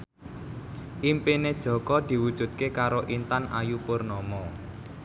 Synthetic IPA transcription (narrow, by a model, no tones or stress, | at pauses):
ʔimpined̥ʒ̥ɔ̤kɔd̪̥i̤wud̥ʒ̥ṳt̪̚kekaɾoʔint̪anʔa̰jupʊrnɔmɔ